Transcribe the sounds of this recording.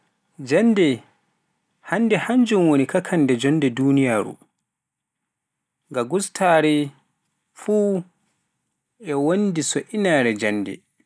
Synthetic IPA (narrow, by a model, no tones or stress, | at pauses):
d͡ʒandɛ | handɛhaɲd͡ʒumwonikakʰandɛd͡ʒɔndɛdunijaːɾṵ | ŋɡaɡustʰaːɾɛ | fuː | ɛwondisɔʔinaɾɛd͡ʒanːdɛ̰